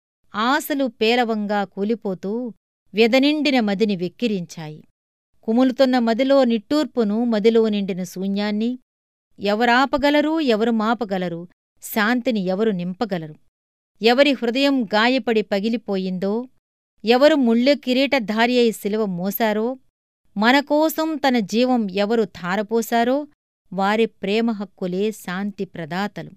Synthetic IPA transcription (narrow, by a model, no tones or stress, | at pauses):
aːsɐlupɛːlɐʋɐŋɡaːkuːlipo̞ːt̪uː | ʋɛd̪ɐniɳɖinɐmɐd̪iniʋekːiɾiɲt͡ʃaːjḭ | kumulut̪unːɐmɐd̪ilo̞ːniʈːuːɾpunumɐd̪ilo̞ːniɳɖinɐsuːɲjaːnːi | ɛʋɐɾaːpɐɡɐlɐɾuːɛʋɐɾumaːpɐɡɐlɐɾu | ʃaːnt̪iniɛʋɐɾunimpɐɡɐlɐɾu | ɛʋɐɾihɾud̪ɐjɐmɡaːjɐpɐɽipɐɡilipoːjind̪oː | ɛʋɐɾumuɭːjukiɾiːʈɐd̪ʱaːɾjɐjsiliʋɐmɔːsaːɾo̞ː | mɐnɐkɔːsɐmt̪ɐnɐd͡ʒiːʋɐmɛʋɐɾut̪ʰaːɾɐpɔːsaːɾoː | ʋaːɾipɾɛːmɐɦɐkːule̞ːʃaːnt̪ipɾɐd̪aːt̪ɐlṵ